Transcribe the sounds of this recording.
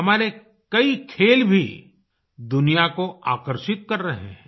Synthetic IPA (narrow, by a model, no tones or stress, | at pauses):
ɦɐmaːɾe | kɐikʰeːlbʱi | d̪ʊnijakoaːkəɾʃɪt̪̚kɐɾːɐɦḛɦɛ̃